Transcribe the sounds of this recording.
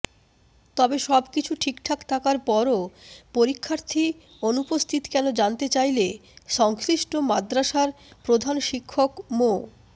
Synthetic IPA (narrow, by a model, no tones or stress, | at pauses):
t̪ɔbeʃɔbkit͡ɕʰuʈʰikʈʰakt̪ʰakaɾpɔɾopoɾikʰːaɾt̪ʰi | onupost̪ʰit̪kɛnod͡ʑant̪et͡ɕajleʃɔŋsɾiʃʈomad̪ɾaʃaɾ | pɾod̪ʱanʃikʰːokmo